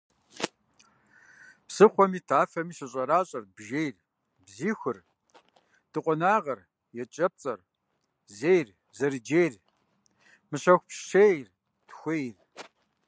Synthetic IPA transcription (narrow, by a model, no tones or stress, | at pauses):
psɨχʷɔmiːtʰaːfɐmiːɕɐɕʼɐɾaːɕʼɐrbʒejr | bziːxʷɨr | d̥ɨqʷʼɔnaːʁɐr | jɛt͡ʃʼɐp̚t͡sʼɐr | zejr | zɐrd͡ʒejr | mɨɕɐxʷpʃejr | dxʷejr